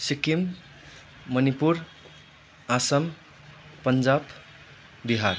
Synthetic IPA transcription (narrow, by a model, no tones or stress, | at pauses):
sikimː | ʌnipuɾ | asʌm | pʌnd͡zab | d̪iɦaɾ